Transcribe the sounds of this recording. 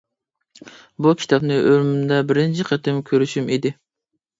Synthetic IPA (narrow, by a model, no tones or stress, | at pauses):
bukʲʰi̥t̪ʰɑpnɨʔøɾmymd̪ɛbɪɾɪnt͡ʃʰiqʰət̪ɪmkʲʰøɾyʃymid̪ɪ